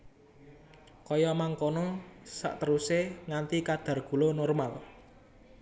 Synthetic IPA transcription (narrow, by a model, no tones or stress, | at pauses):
kɔjɔmaŋkonɔsa̰ʔt̪əɾuseŋant̪ikad̪̥a̤rɡ̥ṳlonɔrmal